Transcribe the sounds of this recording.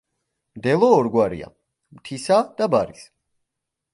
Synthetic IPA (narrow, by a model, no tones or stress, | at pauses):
md̪ɛlˠɔːɾɡwaɾḭa̰ | mt̪ʰisad̪̥abaɾis